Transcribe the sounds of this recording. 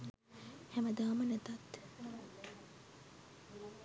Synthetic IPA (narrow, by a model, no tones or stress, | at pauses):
hɛmɐd̪aːmɐnɐt̪at̪